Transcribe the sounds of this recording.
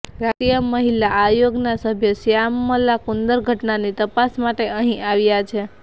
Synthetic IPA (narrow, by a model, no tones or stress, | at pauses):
ɾat̪ijəməɦilaʔajoɡnasəbʱjəsjamːəlakund̪əɾɡʱəʈnanit̪əpasmaʈeʔəɦĩʔaʋjat͡ʃʰe